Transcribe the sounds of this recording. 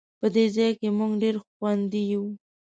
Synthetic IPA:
pəd̪ezɑjkemuɡɖeɾxwand̪iju

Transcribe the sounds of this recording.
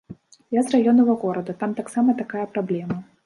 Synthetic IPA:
jazrajɔnɐvɐɣɔɾɐd̪ut̪amt̪aksamɐt̪akajɐpɾablʲɛmɐ

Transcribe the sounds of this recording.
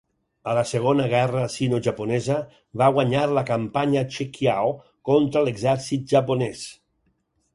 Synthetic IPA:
ələseɣ̞onəɣ̞ɛrəsinoʒapunɛzə | βaɣwaɲaɾləkampaɲat͡ʃekjaw | kont̪ɾəleɡzɛɾsit̪̚ʒaponɛs

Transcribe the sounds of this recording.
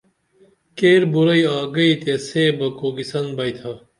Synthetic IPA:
keːɾbuɾɐiaːɡɐit̪eseːbɐkoːɡisɐnbɐjt̪ʰɐ

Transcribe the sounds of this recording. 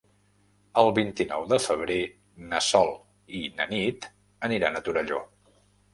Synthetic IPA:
əlˠβint̪inɔwðəfəβ̞ɾe | nəsɔlˠ | inənit̪ | əniɾanət̪uɾəʎo̰

